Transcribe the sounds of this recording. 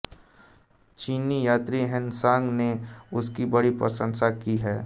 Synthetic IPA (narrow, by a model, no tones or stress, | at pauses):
t͡ʃiːnijaːt̪ɾiɦɪnsãːŋɡneʊskibɐɽipɾɐ̰sə̃ŋsakiɦɛː